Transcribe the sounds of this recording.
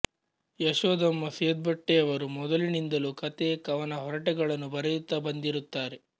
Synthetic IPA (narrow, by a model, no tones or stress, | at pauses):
jɐʃʋɐd̪ɐmːɐsiɐd̪̚bɐʈːeɐʋɐɾumɔd̪ɐlinind̪ɐlukɐt̪ekɐʋɐnɐɦɔɾɐʈɛɡɐɭɐnːubɐɾejut̪ːɐbɐnd̪iɾut̪ːaːɾe